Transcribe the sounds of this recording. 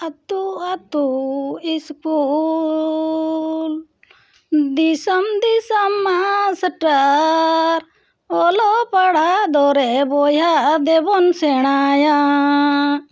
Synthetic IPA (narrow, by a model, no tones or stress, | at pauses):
ɐt̪uat̪uisku | l | d̪isɐmd̪isɐmːasʈa | ɾ | ɔlɔpaɽ̤ad̪ɔɾɛbɔjad̪ɛbɔnsɛɽ̃aja